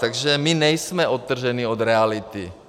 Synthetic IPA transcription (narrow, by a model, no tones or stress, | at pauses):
t̪aɡʒɛmɪnɛjsmɛʔot̪ːr̩ʒɛniod̪ɾɛalɪt̪ɪ